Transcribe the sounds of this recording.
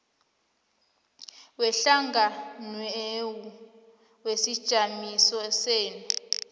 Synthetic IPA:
wɛɬaŋɡʱanwewu | wesid̥ʒ̥ʱamisɔseːnu

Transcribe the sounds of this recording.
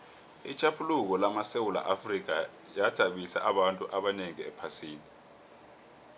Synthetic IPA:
it͡ʃʰʼapʰuluk̬ɔlamasewula̰ʔafrik̬a | jad̥ʱaɓisa̰ʔaɓantʼuʔaɓaneŋiɛpʰasiːni

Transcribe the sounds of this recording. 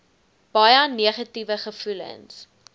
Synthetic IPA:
b̥ɐjəniəχɐtivəχəfulə̰ns

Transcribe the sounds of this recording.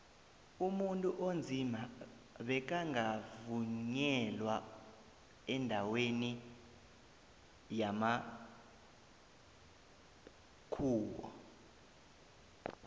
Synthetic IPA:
umuntʼuʔond͡zʱima | ɓɛk̬aŋavuɲɲɛlwa | ɛndʱaweni | jama | kʰuːkɔ̰

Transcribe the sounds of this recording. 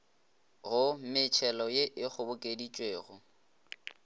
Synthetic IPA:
ɣʊmɪt͡ʃʰɛlɔjeʔɪk͡xʰʊbʊkʼedit͡ʃʼweːɣʊ

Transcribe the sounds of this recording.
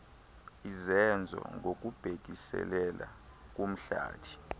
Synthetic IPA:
izɛnd͡zʱɔ̰ŋɡʱok̬ʼub̥ʱek̬ʼisɛ̰lɛlak̬ʼum̩ɬa̰ːtʰi̥

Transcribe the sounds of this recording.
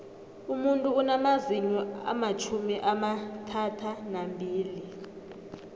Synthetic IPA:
umuntʼuːnamaziɲɔa̰mat͡ʃʰumiʔamatʰatʰanambʱiːli

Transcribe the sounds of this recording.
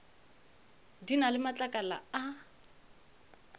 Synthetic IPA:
dinalɪmat͡ɬʼakʼala̰a

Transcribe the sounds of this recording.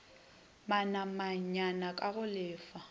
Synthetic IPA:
manamaɲanakʼaɣʊlɪːfa

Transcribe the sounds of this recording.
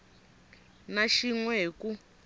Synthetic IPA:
naʃiŋwɛku

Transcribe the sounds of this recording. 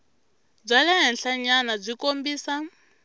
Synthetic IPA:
b͡ʐʷalɛɦɛnɬaɲanab͡ʐʷikombiːsa

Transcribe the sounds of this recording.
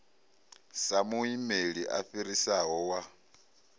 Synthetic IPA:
samuimeɺiʔa̰ɸiɾisaɦɔwa

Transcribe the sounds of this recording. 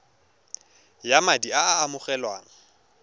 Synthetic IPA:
jamadiaːmʊχɛlwaːŋ̩

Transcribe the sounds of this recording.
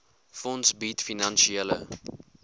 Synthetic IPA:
fɔnsbitfinɐnʃielə̰

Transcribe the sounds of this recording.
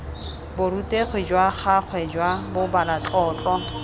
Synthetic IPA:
bʊɾutʼeχwid͡ʒwaχak͡xʰwɛd͡ʒwabʊbalat͡ɬʼɔːt͡ɬʼɔ

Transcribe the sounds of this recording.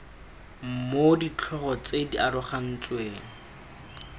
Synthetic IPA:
m̩modit͡ɬʰɔχɔt͡sediʔaɾʊχan̩t͡sweːŋ̩

